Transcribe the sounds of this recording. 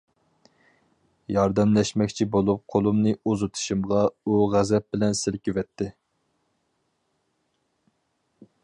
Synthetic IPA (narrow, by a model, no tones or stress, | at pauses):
jɑɾd̪ɛmlɛʃmɛkʲt͡ʃʰibolˠup̚qʰolˠumnɨuzut̪ʰu̥ʃimʁɑuʁæzɛp̚bɪlɛnsɪlkʲywɛt̪ʰːɪ